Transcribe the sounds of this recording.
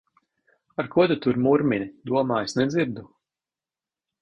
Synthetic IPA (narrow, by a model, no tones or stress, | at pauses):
aɾkuɔd̪ut̪uɾmuɾmʲinʲid̪uɔmaːjsnɛd̪ziɾd̪u